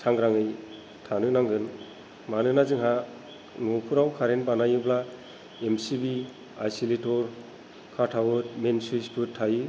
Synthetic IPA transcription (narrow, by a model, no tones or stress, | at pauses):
sʰaŋɾaŋɯj | tʰanɯnaŋɡɯn | manɯnazɯŋɦa | nukʰuɾawkʰaɾenbanajɯbla | emsibi | ajsilitɔɾ | kʰatʰawɯt̚mensispʰɯtʰːajɯ